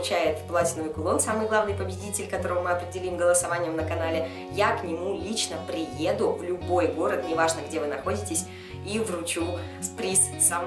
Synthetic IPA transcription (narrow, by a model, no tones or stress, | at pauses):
t͡ɕæjɪt̪plˠatʲɪnvɨjkʊlˠo̞nsamɨjɡlˠavnɨjpəbʲɪdʲitʲɪlʲkɐt̪o̞ɾəvəmɨɐpɾʲɪdʲɪlʲimɡəlˠəsɐvanʲɪjəmnəkɐnalʲɪ | jaknʲɪmulʲit͡ɕnəpɾʲɪje̞d̪ʊvlʲʊbo̞jɡo̞ɾət̪nʲɪvaʐnəɡdʲe̞vɨnɐxo̞dʲɪtʲɪsʲ | ivrʊt͡ɕu | spɾʲissam